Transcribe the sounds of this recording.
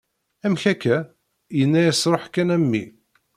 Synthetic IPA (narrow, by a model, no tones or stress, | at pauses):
æmçækːæ | jənːæjæsɾˤoħkːænæmːḭ